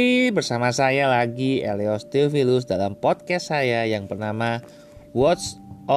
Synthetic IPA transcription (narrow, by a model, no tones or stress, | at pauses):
ibərsamasajalaɡiḛleɔst̪ifilʊs̬dalampɔt̪̚kɛst̪sajajaŋpərnama | wɔt̪sɔ